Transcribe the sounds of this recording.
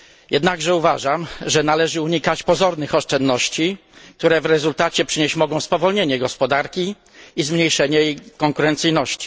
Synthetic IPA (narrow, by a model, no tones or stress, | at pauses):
jɛd̪naɡʐɛuvaʐamʐɛnalɛʐɘuɲikat͡ɕpɔzɔɾnɘxɔʂt͡ʂɛnd̪ːɔɕt͡ɕi | k̚t̪uɾɛvɾɛzult̪at͡ɕɛpʂɘɲeɕt͡ɕmɔɡɔ̃w̃spɔvɔlɲeɲɛɡɔspɔd̪aɾkʲi | izmɲejʂɛɲɛjekɔŋkuɾɛnt̪sɘjnɔɕt͡ɕi̥